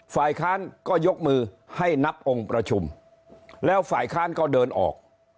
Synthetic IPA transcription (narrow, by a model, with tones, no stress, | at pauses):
faː˨˩jkʰaː˦˥˩nkɔː˥˩jo˦˥k̚mɯː˧ | ha˥˩jna˦˥p̚ʔo˧ŋpɾa˧t͡ɕʰu˧m | lɛː˦˥wfaː˨˩jkʰaː˥˩nkɔː˥˩dɤː˧nʔɔ̰ː˨˩k̚